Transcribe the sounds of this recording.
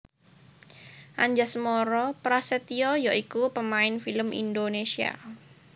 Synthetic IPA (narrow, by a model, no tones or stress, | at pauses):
ʔaɲd͡ʒasəmɔɾɔpɾaset̪iɔjɔʔikupəmaɪnfiləmʔḭndonesia̰